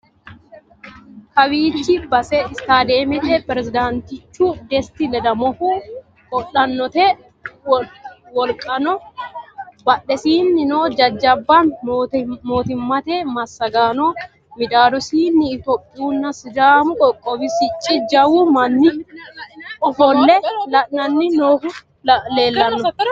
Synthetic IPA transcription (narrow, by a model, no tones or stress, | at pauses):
kɐwiːt͡ʃːɪbɐsɛɪst̪aːd̪eːmɛt̪ɛpɛɾɛzɪd̪ant̪ɪt͡ʃːuːd̪ɛst̪ɪlɛd̪ɐmɔfuː | kʼɔɗɐnːɔt̪e | wɔlkʼɐnɔ | bɐɗɛsiːnːɪnoːd͡ʒɐd͡ʒːɐbːan | moːt̪ɪmːɐt̪eːmɐsːɐɡaːnoː | mɪd̪aːlɔsiːnːɪːt̪oːpʼːɪjuːnːɐsɪd̪aːmʊkʼɔkʼːɔbɪsɪt͡ʃʼːɪd͡ʒɐwuːmɐnːɪ | ɔfɔlːɛɐnɐnːɪnoːhʊ | le̞ːlːɐnːɔ